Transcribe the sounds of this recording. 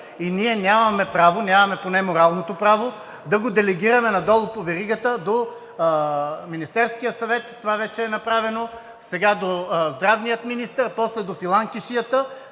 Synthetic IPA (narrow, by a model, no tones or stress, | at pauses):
iniɛnʲjamɐmɛpɾavonʲjamɐmɛponɛmoɾalˠnot̪opɾavo | d̪ɐɡod̪ɛlɛɡiɾɐmɛnɐd̪ɔlˠopovɛɾiɡət̪əd̪o | minist̪ɛɾskijəsɐvɛt̪ːovavɛt͡ʃɛːnɐpɾavɛno | sɛɡad̪ozd̪ɾavnijət̪minist̪əɾpɔslɛd̪ofilˠaŋkiʃijət̪ə